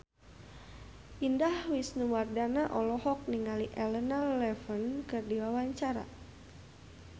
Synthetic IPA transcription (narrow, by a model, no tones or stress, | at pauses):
ʔindahwisnuwardanaʔɔlɔhɔk̚niŋaliʔɛlənalɛfənkɨrdiwawaɲt͡ʃaɾa̰